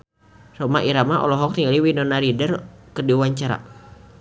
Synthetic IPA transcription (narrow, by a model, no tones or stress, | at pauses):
sɔmaʔiɾamaʔɔ̰lɔɦɔk̚t̪iŋɡaliwinɔnaɾidərkərdiwaɲt͡ʃaɾa̰